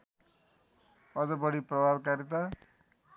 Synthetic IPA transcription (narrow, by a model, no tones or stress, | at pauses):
ʌd͡zʌbʌɽiprʌbʱabkaɾit̪ʌ